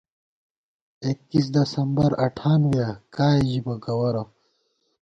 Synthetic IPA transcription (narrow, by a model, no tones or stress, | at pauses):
ekːis̬d̪ɐsɐmbɐɾɐʈʰaːnɡakaːiʑibɐɡɐwɐɾɐ